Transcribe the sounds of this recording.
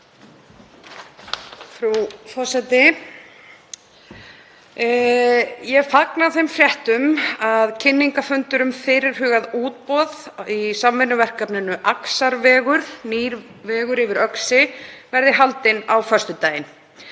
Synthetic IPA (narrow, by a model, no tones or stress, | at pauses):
fɾufɔ̥sɛt̪ɪ | jɛɣfaknaθejmfɾjɛht̪ʏmaðcʰɪnːiŋkafʏnt̪ʏɾʏmfɪɾɪɾ̥ɦʏːɣaðuːt̪̚pɔðisamvɪnːʏvɛr̥kapnɪnʏʔaksaɾvɛːɣʏɾ̥niːɾ | vɛːɣʏɾɪvɪɾœksɪvɛɾðɪɦalt̪ɪnawfœ̥st̪ʏt̪aːjɪn